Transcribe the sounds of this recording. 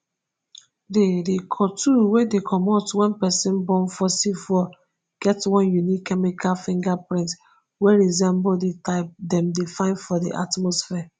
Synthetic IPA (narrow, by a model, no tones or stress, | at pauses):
dedekʰɔtuwedekʰɔmɔtwɛ̃npɛsĩnbɔ̃nfɔsifɔ | ɡ̥ɛtwɔ̃njunikʰːɛmikʰalfĩŋɡapɹĩnt | weɹizɛ̃mbodetaɪp̚dɛ̃mdefãɪ̃nfɔdḭʔa̰tmɔsfɛa